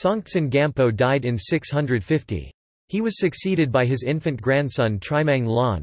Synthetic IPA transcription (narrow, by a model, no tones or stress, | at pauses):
sɑ̃ŋsɨ̃nɡæ̃mpoʊdaɪɾɨ̃nsɪkshʌ̃ndɹɨd̥fɪftḭ | hiwʌz̥sɨksiɾɨd̚baɪɨzɪ̃ɱfɨ̃nɡ̥ɹæ̃nd̥sʌ̃ntʰɹ̥aɪmæ̃ŋlɑ̃n